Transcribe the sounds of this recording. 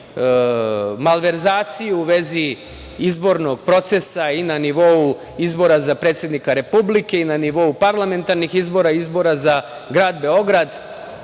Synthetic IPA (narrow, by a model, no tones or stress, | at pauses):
malˠʋe̞ɾzaːt̪sijuuʋe̞zi | izbo̞ɾno̞ɡ̥̚pɾo̞t̪se̞sainaniʋo̞u | izbo̞ɾazapɾe̞ːt̪sje̞d̪nikaɾe̞publike̞inaniʋo̞upaɾlˠame̞nt̪aɾnixizbo̞ɾaizbo̞ɾaza | ɡɾaːd̪be̞o̞ɡɾad̪